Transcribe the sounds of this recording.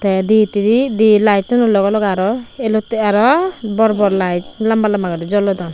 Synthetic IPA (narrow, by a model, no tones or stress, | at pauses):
t̪ɛd̪it̪iɾid̪ilajtɔnulɔɡɔlɔɡaɾɔelɔt̪ɛaɾɔbɔɾɔbɔɾlajtlambalambaɡadid͡ʒɔlɔd̪ɔn